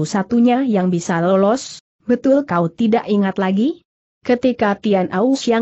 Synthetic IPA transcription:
usat̪uɲajaŋbisalɔlɔs | bət̪ʊlkaut̪idaʔiŋat̪laɡi | kət̪ikat̪ianʔausja

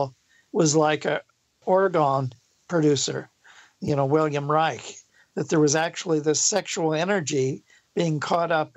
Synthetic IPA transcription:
lˠ | wʌzlaɪkɨ | ɔɹɨɡɑ̃n | pʰɹ̥ɨɾʉsə̰˞ | jɨnoʊwɪlˠjɨ̃mɹaɪk | ðɨt̪̚ðə˞wʌzæk̚t͡ʃul̩ˠiðɪsɛkʃul̩ˠɛnə˞d͡ʒi | b̥iɪ̃ŋkʰɔɾʌp

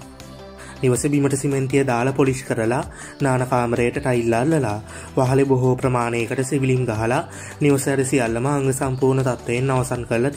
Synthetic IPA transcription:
niʋɐsebiməʈəsiment̪ijəd̪aːlɐpoliskəɾəla | naːnɐkaːmɾejəʈəʈailːaːlləla | ʋaɦɐleboɦoːpɾəmaːneːkəʈəsiʋilimɡaɦɐla | niʋɐsɐjaɾisijalːɐməːŋɡəsampuːɾnət̪at̪ʋejenːaʋɐsankəɾlɐt̪i

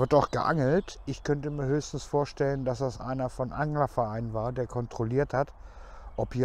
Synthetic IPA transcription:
ɪɐtaʊxɡ̥əʔa̰ŋl̩tʔɪçkʰœntəmiːɐhøːçstn̩sfoːɐʃtɛləndasd̥asʔa̰ɪnɐfɔnʔaŋlɐfɐʔaɪnənvaːɐdeːɐkʰɔntʁ̥oliːɐthatʔɔphiː

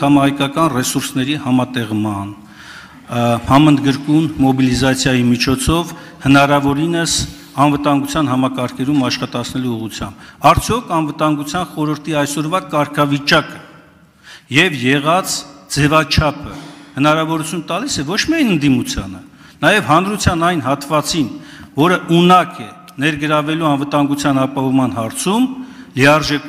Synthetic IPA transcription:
ɑmɑhɑjkɑkɑnrɛsuɾsnɛɾihɑmɑt̪ɛʁmɑn | hɑmənd̪ɡəɾkunmɔbilizɑt͡sʰjɑjimit͡ʃʰɔt͡sʰɔv | hənɑɾɑvɔɾinəs | ɑnvət̪ɑŋɡut͡sʰjɑnɦɑmɑkɑɾkʰɛɾumɑʃχɑt̪ɑt͡sʰnɛluːʁut͡sʰjɑ̰mbɑɾt͡sʰjɔkʰɑnvət̪ɑŋɡut͡sʰjɑnχɔɾəɾt̪ʰiɑjsɔɾvɑkɑɾkʰɑvit͡ʃɑkə | jɛvjɛʁɑt͡sʰd͡zɛvɑt͡ʃʰɑpʰə̰hənɑɾɑvɔɾut͡sʰjunət̪ɑlisɛvɔt͡ʃʰmiɑjnənd̪imut͡sʰjɑ̰nə | nɑjɛvɦɑnɾut͡sʰjɑnɑjnɦɑt̪vɑt͡sinvɔɾəʔunɑkʰɛ | nɛɾɡəɾɑvɛluɑnvət̪ɑŋɡut͡sʰjɑnɑpɑɦɔvmɑn̪ɦɑɾt͡sʰumliɑɾʒɛk

